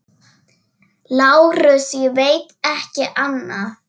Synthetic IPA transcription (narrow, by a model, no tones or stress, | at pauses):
laːwɾʏsjɛveːjt̪ɛhcɪʔanːa